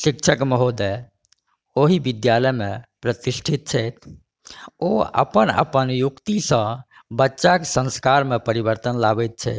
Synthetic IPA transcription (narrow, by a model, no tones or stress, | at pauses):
sik̚t͡ʃʰəkməɦod̪ɛ | oɦibid̪jaləjmẽpɾət̪isʈʰit̪̚t͡ʃʰɛt̪̚ʰ | oə̰pənə̰pənjukt̪isə̃ | bətːʃakesə̃skaɾmepəɾibəɾt̪ənlabɛt̪̚t͡ʃʰɛ̰t̪